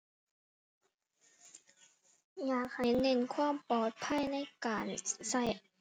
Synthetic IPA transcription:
jaː˨˩k̚ha˨˦jne˧˩˨nkʰwaː˧˥˨mpɔː˨˩t̪̚pʰa˧˥˨jna˧˥˩jkaː˨nsa˧˥˩j

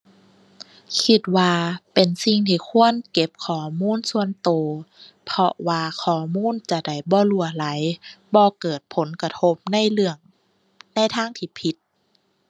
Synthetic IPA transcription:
kʰi˧t̪̚waː˧pe˨˩nsi˧ŋt̪ʰiː˧˩kʰu˧˥˨ənke˧˦p̚kʰɔː˨˩muː˧˥˨nsu˧ənt̪oː˨˩ | pʰɔ˧waː˧kʰɔː˨˩muː˧˥˨nt͡ɕa˧˩da˧˩jbɔː˧˦lu˧˩ɐla˨˦jbɔː˧kɤː˨˩t̪̚pʰo˨˦nka˧t̪ʰo˧˦p̚na˧˥˨jlɯ˧əŋ | na˧˥˨jt̪ʰaː˧˥˨ŋt̪ʰiː˧pʰi˧˦t̪̚

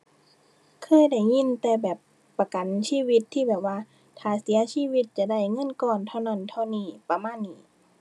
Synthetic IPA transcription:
kʰɤː˧˥˨jda˧˩jŋi˧˨nt̪ɛː˧bɛː˨˩pː | a˧˩ka˨nsiː˧˥˨wi˧˥t̪ʰːiː˧˥˩bɛː˨˩p̚waː˧˨ | t̪ʰaː˨˩si˨˦ɐsiː˧˥˨wi˧˥t̪̚t͡ɕa˨˧˩da˧˩jŋɤ˧˥˨nkɔː˧˩nt̪ʰa˧˩wna˧˩˨nt̪ʰa˧˩wniː˧˩pa˧maː˧˥˨nːiː˧˩˨

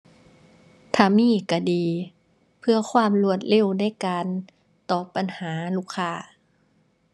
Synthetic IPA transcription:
t̪ʰaː˧˩miː˧˩˨ka˧˩diː˨ | pʰɯ˧ɐkʰwaː˧˥˨mlu˧˩ət̪̚le˧˥˨wna˧˥˨jkaː˨n | t̪ɔː˧˩pa˨nhaː˩˦luː˧˩˨kʰːaː˧˩

